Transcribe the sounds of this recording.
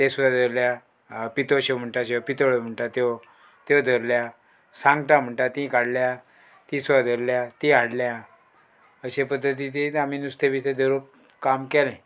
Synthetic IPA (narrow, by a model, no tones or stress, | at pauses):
t̪ẽsud̪ʱad̪ʱəɾlja | pit̪oɕem̤əɳʈaɕewpit̪oɭəm̤əɳʈat̪e | t̪ewd̪ʱəɾlja | sãŋɡʈam̤əɳʈat̪ĩkaɽlja | t̪ĩsud̪ʱad̪ʱəɾljat̪ĩaɽlja | əɕepəd̪ʱːət̪̬it̪̬iam̤inust̪ebit̪ed̪ʱəɾop | kamkɛlɛ̃